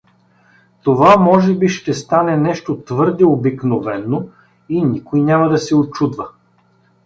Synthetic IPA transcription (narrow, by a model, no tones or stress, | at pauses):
t̪ovamɔʒɛbiʃt̪ɛst̪anɛnɛʃt̪ot̪vɤɾd̪ɛobiknovɛnːo | inʲikojnʲamɐd̪ɐsɛot͡ʃud̪vɐ